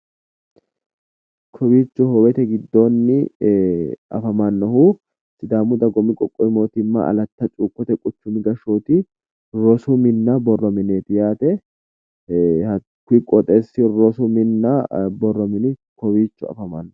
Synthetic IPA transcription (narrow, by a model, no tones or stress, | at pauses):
kʰɔwiːt͡ʃːʊhɔwɛt̪ɛɡɪd̪ːoːnːɪ | ɐ̰fɐmɐnːɔhu | sɪd̪aːmʊd̪ɐɡɔmɪkʼɔkʼːɔɪmo̞ːt̪ɪmːɐ̰ɐ̰lɐt̪ːɐt͡ʃʼuːkʼːɔt̪ɛkʼʊt͡ʃːʊmɪɡɐʃoːt̪ɪ | ɾɔsʊmɪnːɐbɔrːɔmɪneːt̪ɪjaːt̪ɛ | hɐ | kʊɪkʼɔt̪ʼeːsːɪɾɔsʊmɪnːɐbɔrːɔmɪnɪkɔwiːt͡ʃːʊɐ̰fɐmanːɔ